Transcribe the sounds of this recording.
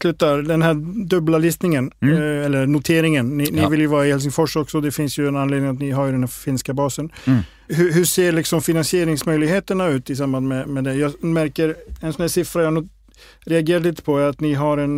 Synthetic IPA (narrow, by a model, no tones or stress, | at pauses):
slʉ̟ːt̪ːaɾd̪ɛnɦæːd̪ɵblalisnɪŋənɛlːəɾnʊt̪ʰeːɾɪŋənːɪnɪvɪljʊvɑːɾaɪhɛls̬ɪŋfɔʂɔksɔd̪ɛfɪnsjɵɛnanleːd̪nɪŋat̪nɪɦaɾjd̪ɛnhæɾfɪnskabɑːsən | ɦɵɦɵʂeːɭɪksɔmfɪnansɪeːɾɪŋsmœjlɪɡɦheːt̪əɳaʉ̟ːt̪ɪs̬ambanmɛmɛd̪ɛjɑːmæɾkəɾɛnsɔnhæːʂɪfɾajɑhanuː | ɾɛaɡeːɾaliːt̪ə̥pʰɔæɾat̪nɪɦaɾɛn